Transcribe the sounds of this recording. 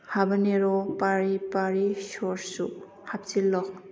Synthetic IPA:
habaneɾɔpaɾipaɾisɔɾsṵ | hap̚silɔk̚

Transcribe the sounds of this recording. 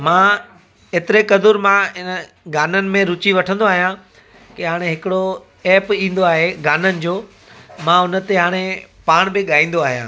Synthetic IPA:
mã | eːt̪ɪɾekɐd̪ʊɾmãɪn | ɡaːnənɪ̆mẽɾʊt͡ɕiʋɐʈʰə̃nd̪oaːɦijã | kɪɦaːɽ̃eɦɪkɪɽo | ɛːpĩːn̆d̪oaːɦeɡaːnənɪ̆d͡ʑoː | mãʊnə̆t̪eɦaːɽ̃epaːɽ̃bɪɠaːĩːn̆d̪oaːɦijã̰ː

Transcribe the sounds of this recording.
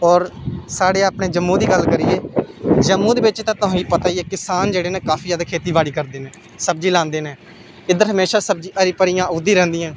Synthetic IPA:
ɔːɾsaːɽeːaːpɳeːd͡ʒəmːũːd̪iːɡəlkəɾiːeːd͡ʒəmːũːd̪eːʋɪt͡ʃt̪ãːt̪ʊ̃ːiːpət̪aːijeːkɪsaːnd͡ʒeːɽeːneːkaːfʰiːaːd̪akʰeːt̪iːʋaːɽiːkəɾd̪eːnẽː | səbd͡ʒiːlãːnd̪eːnẽː | ɪd̪əɾɦəmeːʃaːsəb̚d͡ʒiːʔəɾipəɾijãːʊd̪iːɾɛ̃ːnd̪iːãː

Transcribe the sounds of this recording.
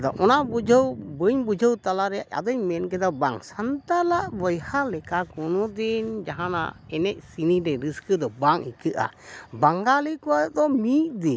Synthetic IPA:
d̪ɔ̰ʔɔnabud͡ʒʱəwbəɲbud͡ʒʱəwt̪alaɾɛjaʔa̰d̪ɔɲmɛnkɛd̪abaŋsant̪alaʔbəjhalɛkakɔnɔd̪ind͡ʒaɦana̰ɛnɛʔ̚siniɾɛɾɨskəd̪ɔbaŋikɨʔa̰baŋɡalikɔwad̪ɔmit̚d̪i

